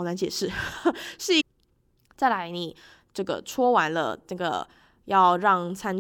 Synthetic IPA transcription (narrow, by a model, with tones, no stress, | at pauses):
o˩ʊna˧˥nt͡ɕjɛ˨˩ʂɻ̩˥˩ʂɻ̩˥˩˧ | t͡sa˥˩ɪla˧˦ɪni˨˩ | ʈ͡ʂɤ˥˩ɡə̰˩ʈ͡ʂʰwɔ˥wa˧˦nlə̰˧nə˥˩ɡə̰˩ | jɑ˥˧ʊɻɑ˥˩ŋt͡sʰa˥n